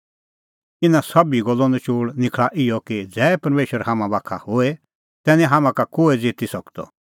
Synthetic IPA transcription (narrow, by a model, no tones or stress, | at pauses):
ɪnãsɐbiɡɔlːɔ̃nɛt͡ʃuːɽnɪkʰɭaʔɪɔkid͡zɛːpɐɾmeːʃəɾɦamãbakʰa̰hoe | t̪ɛːnĩɦamãkakoːed͡zɪt̪isɐkt̪ɔ̰